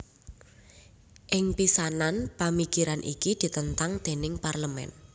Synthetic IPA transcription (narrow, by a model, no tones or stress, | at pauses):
ʔɪŋpisananpamikiɾanʔḭkid̪̥i̤t̪ənt̪aŋd̪̥e̤nɪŋparləmɛ̰n